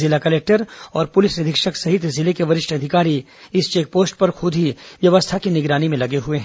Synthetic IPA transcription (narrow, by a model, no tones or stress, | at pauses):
zɪlakɐleːk̚ʈəɾɔːɾpʊlɪsnɪd̪ʱɪkʃəksɐɦɪt̪zɪlekeʋɐɾɪʃʈʰɐd̪ʱɪkaːɾi | ɪst͡ʃeːk̚poːsʈpɐɾxʊd̪ʱiʋjɐʋəst̪ʰakinɪɡɾaːnimẽlɐɡeɦueɦɛ̃ː